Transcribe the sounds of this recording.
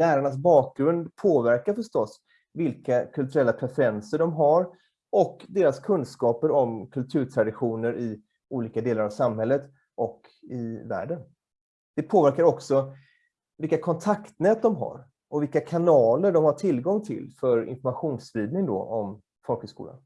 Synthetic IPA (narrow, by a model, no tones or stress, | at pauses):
læːɾaɳas̬bɑːk̚ɡɾɵnd̪pʰoːvæɾkaɾfœʂʈɔs | vɪlkakʰɵlt̪ɵɾɛlːapʰɾɛfɛɾɛnsəɖɔmɦaɾ | ɔkd̪eːɾaskʰɵnd̪skɑːpəɾɔmkʰɵlt̪ʰʉ̟ːɾʈʰɾad̪ɪɧuːnəɾʔɪ | ʔuːliːkad̪eːlaɾavsamɦɛlːət̪ | ʔɔk | ɪvæ̰ːɖən | d̪̥ɛpʰoːvæɾkaɾɔksɔ | vɪlkːakʰɔnt̪ʰakt̪nɛːt̪̚d̪ɔmɦa̰ɾ | ʔɔvɪlkːakʰanɑːləɖɔmhaʈʰɪlɡɔŋːt̪ʰɪ̰lfœɾɪ̰nfɔɾmaɧuːnsɾiːd̪nɪŋd̪ɔ̰ʔɔ̰m | fɔlkhəskṵːla̰n